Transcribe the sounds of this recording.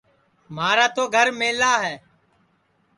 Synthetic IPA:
maːɾaːt̪oːɡʱəɾmeːlaːɦɛː

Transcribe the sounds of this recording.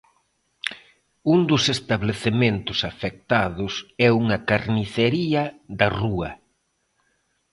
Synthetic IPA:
und̪ʊsest̪aβleθement̪ʊsafek̚t̪aðʊsɛuŋɐkaɾniθeɾiɐðɐruɐ

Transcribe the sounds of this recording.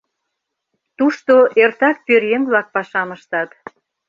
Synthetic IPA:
t̪uʃt̪oʔert̪ɑk̚pøɾjeŋβlɑk̚pɑʃɑməʃt̪ɑt̪

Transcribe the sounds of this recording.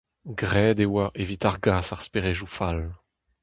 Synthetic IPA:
ɡʁɛːd̪ewaʔevit̪aʁɡaːsaʁspeʁeʒufal

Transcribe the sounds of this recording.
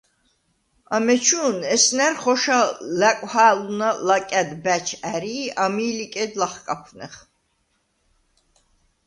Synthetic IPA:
amɛt͡ʃʰuːnɛsnæɾχɔʃalækʷʼhaːlunalakʼæd̪bæt͡ʃʰæɾiːamiːlikʼɛd̪laχkʼapʰnɛ̰χ

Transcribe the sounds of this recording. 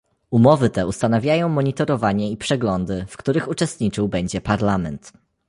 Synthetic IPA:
umɔvɘt̪ɛust̪anavʲjajɔ̃w̃mɔɲit̪ɔɾɔvaɲɛipʂɛɡlɔnd̪ɘfkt̪uɾɘxut͡ʂɛst̪ɲit͡ʂɘwbɛɲd͡ʑɛpaɾlamɛnt̪

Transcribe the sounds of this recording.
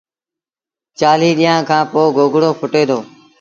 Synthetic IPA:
t͡ʃaːliːɗiːãːkʰãːpoːɡʱoːɡɽoːpʰʊʈeːd̪oː

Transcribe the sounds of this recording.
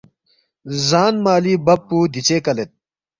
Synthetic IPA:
zaːnmaːliːbɐpːuːd̪it͡ɕeːkɐlet̪̚

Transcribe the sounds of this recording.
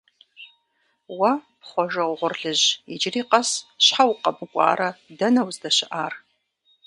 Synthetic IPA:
wɐpχʷɔʒɐwʁʷʊrɮɨʑɪd͡ʒɪriːqɐsɕħawqɐbɨkʷʼɑ̰ːɾɐdɐnɐwzdɐɕɪʔaːr

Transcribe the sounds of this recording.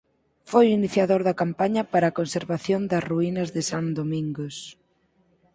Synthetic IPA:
fojiniθjaðoɾðɐkampaɲɐpaɾakonseɾβaθjond̪ɐsruinɐzðɪsand̪omĩŋɡos

